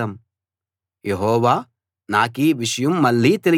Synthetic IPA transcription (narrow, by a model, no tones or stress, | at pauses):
ɐm | jeɦoːʋaː | naːkiːʋɪʃjumːɐlːiːt̪el